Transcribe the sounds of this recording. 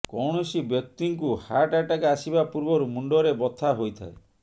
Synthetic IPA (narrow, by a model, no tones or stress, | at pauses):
kɔwɳ̃ɔsibjɔk̚t̪iŋkuhaʈaʈakaasibapuɾbɔɾumuɳɖɔɾebɔt̪ʰaɦojt̪ʰa̰e